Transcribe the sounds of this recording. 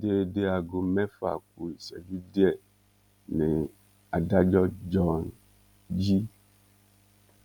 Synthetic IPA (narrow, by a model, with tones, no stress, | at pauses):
de˨de˨a˨ɡo˨mɛ̃˦fa̰˨k̚u˨i˨sɛ̰˨li˦de˦ɛ˨ | ne˨ | a˨da˦d͡ʒɔ˦d͡ʒɔ˦n | d͡ʑi˦